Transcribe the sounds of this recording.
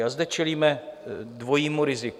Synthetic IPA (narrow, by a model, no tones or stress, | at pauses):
azdɛt͡ʃɛliːmɛdvo̞jiːmuɾɪzɪk